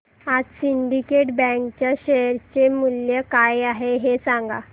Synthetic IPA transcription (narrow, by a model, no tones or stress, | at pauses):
ad͡zsiɳɖikeʈbɛ̃kt͡ɕjaɕeɾt͡ɕemuljəkajaɦeɦesãŋɡa̰